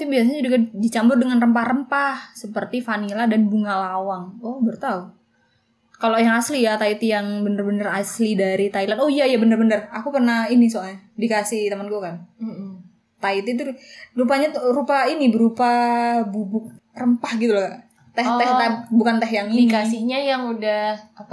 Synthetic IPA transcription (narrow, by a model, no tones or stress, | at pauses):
apibias̬aɲaudakdit͡ʃambʊrdəŋanrəmpahrəmpahsəpərt̪ifaniladanbuŋalawaŋobərt̪au | kalojaŋaslijat̪ait̪ijaŋbənərbənəraslidaɾit̪ailanojajabənərbənərakupərnahinisoaɲadikasɪht̪əmanɡukan | t̪ait̪it̪̬urupaɲat̪uɾupainibəɾupabubʊk̚ | rəmpahɡit̪ulaɡaʔ | t̪ɛht̪ɛabukant̪ɛɦjaŋiiasiɲajaŋudaha